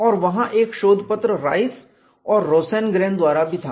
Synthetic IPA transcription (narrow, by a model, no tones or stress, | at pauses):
ɔːɾʋɐɦãʔeːkʃoːd̪ʱpət̪ɾəɾa̰ːɪs | ɔːɾːoːseːnɡɾẽːnd̪ʋaːɾabɪd̪ʱa